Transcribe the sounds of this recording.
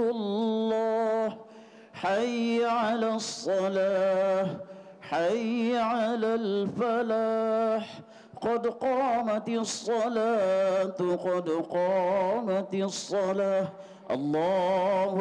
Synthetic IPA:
llˤːɑːh | ħajʕaalaːsˤːɑla | ħajʕalalfalaħ | qɑd̪qɑːmat̪sˤːɑlaːt̪qɑd̪qɑːmat̪sˤːɑlaːh | ʔɑ̰lˤːɑː

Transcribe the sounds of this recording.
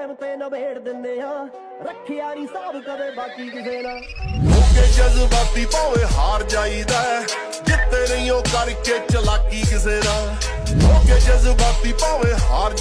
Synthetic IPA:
mt̪eːnəbeːɽd̪ɪnd̪eːɦãː | ɾəkʰːɪjaːɾĩːsəbkəd̪eːbaːkiːkɪseːd̪ãːloːkeːd͡ʒəzbaːt̪̚d̪iːpaːʋeːɦaːɾd͡ʒaːiːd̪aːɛ | kɪt̪ːeːnəĩːõːkəɾkeːt͡ʃəlaːkiːkɪseːd̪aː | loːkeːd͡ʒəzbaːt̚d̪iːpaːʋeːɦaːɾ

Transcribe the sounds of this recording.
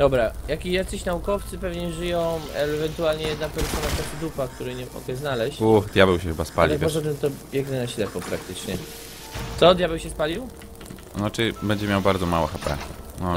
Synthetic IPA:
d̪̥ɔbɾajakʲijat̪sɘɕnaukɔft̪sɘpɛvɲɛʐɘjɔ̃w̃ɛvɛnt̪ualɲɛjɛd̪napɛɾsɔnap̪ɛsɛd̪upak̚t̪uɾɘɲɛɔ̰kɛjznalɛɕuxd̪ʲjabɛwɕɛxɘbaspalʲiakɔʐɔt̪ɛmt̪ɔbʲjɛɡnɛnaɕlɛpɔpɾak̚t̪ɘt͡ʂɲɛ | t̪sɔd̪ʲjabɛwɕɛspalʲiw | nɔt͡ʂɘbɛɲd͡ʑɛmʲjawbaɾd̪zɔmawɛxapɛ̰ | nɔ

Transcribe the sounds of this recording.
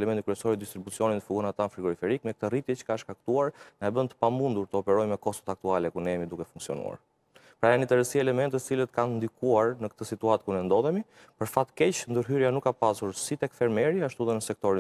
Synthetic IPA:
lɛmɛnt̪ikɾiɛsɔɾid̪ist̪ɾibut͡siɔninəfuɡɔnat̪anfɾiɡɔɾifɛɾikmɛk̚t̪ərit̪jɛt͡ʃə̥kaʃkak̚t̪uaɾnaɛbənt̪ə̥pamund̪uɾt̪əɔpɛɾɔjmɛkɔst̪ɔ̥t̪ak̚t̪ualɛkuɾnɛjɛmid̪ukɛfuŋksiɔ̰nṵa̰ɾ | pɾajanit̪ɛɾəsiɛlɛmɛnt̪ət̪ət͡silət̪kannd̪ikuaɾnəkt̪əsit̪uat̪̚kuɾnɛnd̪ɔðɛmi | pəɾfat̪kɛt͡ʃnd̪əɾɦyɾjanukːapasuɾsit̪ɛkfɛɾmɛɾiaʃt̪uðənəsɛk̚t̪ɔɾi

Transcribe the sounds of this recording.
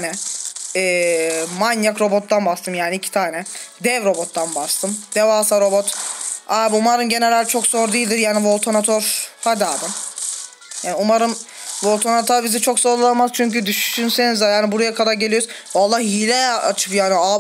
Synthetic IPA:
nɛɛːmanjakɾo̞bo̞t̪̚d̪anbast̪ʰɯmjaːniːcʰi̥t̪ʰaːnɛ | d̪ɛvɾo̞bo̞t̪ːanbast̪ʰɯmd̪̥evaːsaɾo̞bot̪abumaɾɯnɟe̞nelʲæɾt͡ʃʰo̞kz̥oɾd̪ijilʲd̪iɾjaːnivolˠt̪ʰonat̪ʰoɾhad̪aːd̪ɯ | jaːniumaɾɯm | vo̞lˠt̪ʰonat̪ʰoɾbizit͡ʃʰo̞ksoɾlˠamaz̥t͡ʃʰyɲcyd̪yʃy̥ʃynsenizjaːnibuɾajakʰad̪aɾɟelʲijoɾʊzalˠːahilʲɛa̰t͡ʃʰɯ̥pjaːnia

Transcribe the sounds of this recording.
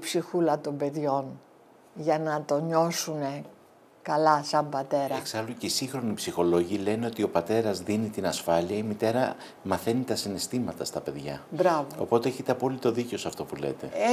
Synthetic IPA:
psixulɐt̪o̞mbe̞ðʝo̞n | ʝɐnɐt̪o̞ɲo̞sune̞ | kɐlɐsɐmbɐt̪e̞ɾɐeksɐluceisiŋxɾo̞nipsixo̞lo̞ʝile̞neo̞t̪io̞pɐt̪e̞ɾɐzðinit̪inɐsfɐliɐimit̪e̞ɾɐ | mɐθe̞nit̪ɐsine̞st̪imɐt̪ɐst̪ɐpe̞ðʝɐ̰bɾɐvoo̞̰po̞t̪e̞eçet̪e̞ɐpo̞lit̪o̞ðiceosɐft̪o̞pule̞̰t̪e̞̰

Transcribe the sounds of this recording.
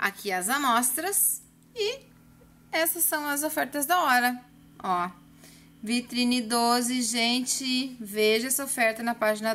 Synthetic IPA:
a̰kʰiɐzɐmɔst̪ɾɐs | ɪ | ɛsɐsːɐ̃w̃ɐzofɛɾt̪ɐzd̪ɐɔɾɐ | ɔ | vit̪ɾĩnɪd̪ozɪʒẽnt͡ʃɪveʒɐɛsɐofɛɾt̪ɐnɐpaʒinɐ

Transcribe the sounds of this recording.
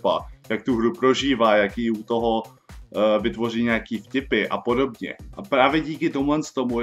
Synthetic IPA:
pa̰jak̚t̪uɦɾupɾo̞ʒiːvaːjakjiut̪o̞ɦo̞ | vɪt̪vo̞riːɲakiːfcɪpɪʔa̰po̞do̞bɲɛ̰ʔapɾaːvjɛɟiːkɪt̪omuɦlɛnst̪omu

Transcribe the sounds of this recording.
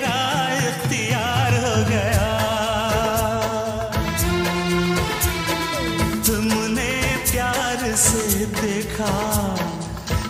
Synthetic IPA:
ɾa | jɐxt̪ijaːɾɦoɡɐja | t̪ʊmʊnepjaːɾsed̪eːkʰa

